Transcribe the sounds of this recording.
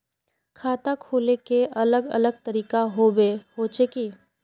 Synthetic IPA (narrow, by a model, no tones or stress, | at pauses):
kʰaːt̪akʰoːlekeʔɐləɡɐ̰ləɡ̚t̪əɾiːkaɦobeɦoːt͡ʃʰeki